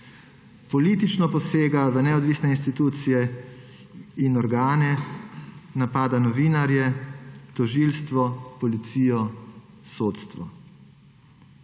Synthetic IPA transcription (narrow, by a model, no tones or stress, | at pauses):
pɔliːt̪it͡ʃnɔpɔseːɡaʋənɛɔd̪ʋiːsnɛinst̪it̪uːt̪sijɛ | inɔɾɡaːnɛ | napaːd̪anɔʋiːnaɾjɛt̪ɔʒiːlst̪ʋɔpɔlit̪siːjɔ | soːt̪st̪ʋɔ